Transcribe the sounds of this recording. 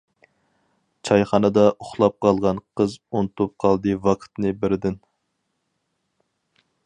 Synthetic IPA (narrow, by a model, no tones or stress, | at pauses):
t͡ʃʰɑjχɑnɨd̪ɑʔoχlˠɑp̚qʰɑlˠʁɑnqʰəzont̪up̚qʰɑlˠd̪ɨvɑqʰt̪nɨbɪɾɪd̪ɪn